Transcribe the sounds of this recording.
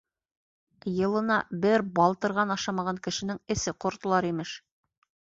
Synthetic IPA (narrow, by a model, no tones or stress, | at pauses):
jɤ̆lˠɤ̆nɑbɘɾbɑlˠt̪ɤ̆ɾʁɑnɑʃɑmɑʁɑŋkɘ̆ʃɘ̆nɘŋɘ̆sɘqŏɾt̪ɤ̆lˠɑɾimɘʃ